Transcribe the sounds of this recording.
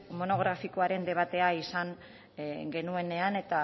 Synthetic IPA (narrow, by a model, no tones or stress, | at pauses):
mo̞no̞ɣ̞ɾafiko̞aɾe̞nd̪e̞β̞at̪e̞aisaŋ | ɡe̞nue̞ne̞ane̞t̪a